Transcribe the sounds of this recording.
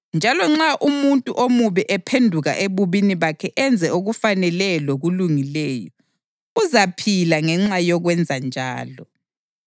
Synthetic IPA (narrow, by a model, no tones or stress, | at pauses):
nd͡ʒʱalɔŋ͡ǁaʔumuntʼuʔomuβɛʔɛpʰendʱuɣa̰ʔeβuβiniβakʰɛʔɛnd͡zʱɛoɣufanɛlɛlɔɣuluŋilɛːjɔ | uzapʰilaŋɛŋ͡ǁajɔɣwɛnd͡zʱand͡ʒʱa̰ːlɔ